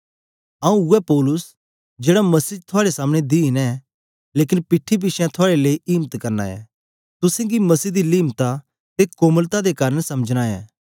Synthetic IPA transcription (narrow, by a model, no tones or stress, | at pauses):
ɐ̃ũʊɛpɔːlʊs | d͡ʒeːɽamɐsiːt̪ʰoaːɽesaːməɽ̃ed̪iɪnɛ | leːkɪnpɪʈʰːip̬ɪʃɛ̃t̪ʰoaːɽeleːiʔiːmət̪kɐɾna̰ɛ̰ | t̪ʊsɛ̃ɡimɐsiːd̪iliːmt̪a | t̪ekoːməlt̪ad̪ekaːɾənsɐməd͡ʒnaɛ̰ː